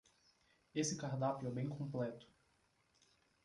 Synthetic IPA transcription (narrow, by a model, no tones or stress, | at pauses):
esɪkaɾd̪aplʊɛbẽj̃kʰõmplɛt̪ʊ̥